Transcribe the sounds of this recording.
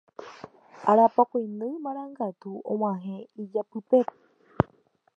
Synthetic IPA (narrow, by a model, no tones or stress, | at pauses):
aɾapakʷojnɨ̃jmãɾ̃ãŋɡat̪uõ̰w̃ãɦẽid͡ʒapɨpe̞p